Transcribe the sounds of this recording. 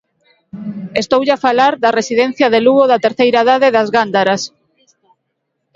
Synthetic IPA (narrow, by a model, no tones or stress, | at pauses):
est̪owʎafalaɾðɐresiðẽn̟θjaðeluɣoðat̪eɾθejɾaðaðeðazɣand̪aɾas